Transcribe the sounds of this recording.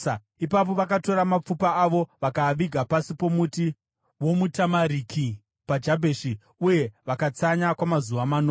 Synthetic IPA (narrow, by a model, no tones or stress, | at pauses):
a | ipap̬o̞ʋakato̞ɾamap͡fupaːʋo̞ʋakaʋiɡʱapasipo̞muti | wo̞mutamaɾikʰi | pad͡ʒabʱeʃi | uje̞ʋakat͡saɲakwamazuʋamanoː